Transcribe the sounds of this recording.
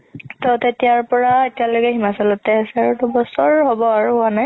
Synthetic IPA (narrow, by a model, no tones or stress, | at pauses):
tɔtetijaɹpɔɹaetijalojkɛɦimasɔlɔtɛasɛaɹutʊbɔsɔɹɦɔbɔaɹupʊanaj